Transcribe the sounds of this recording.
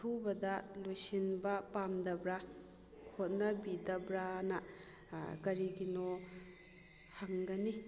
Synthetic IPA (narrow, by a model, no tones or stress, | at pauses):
tʰubɐdɐlojsinbɐpamdɐbɾa | kʰot̚nɐbidɐbɾanɐ | ɡɐɾiɡinɔ | haŋɡɐni